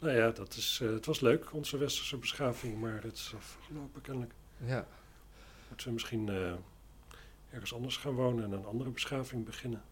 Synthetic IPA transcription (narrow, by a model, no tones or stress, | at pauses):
nojaːdɑtɪsətʋɑsløɥkʰɔnzəʋɛstə̥ɹsəbəsχaːvɪŋmaːɹətɪ̥sfəɹχəlowpəkɛnələk | mutəʋəmɪsχinə | ɛɹχənsɑndəɹsχaːnʋownənɛnənɑndərəbəsχaːvɪŋbəχɪnən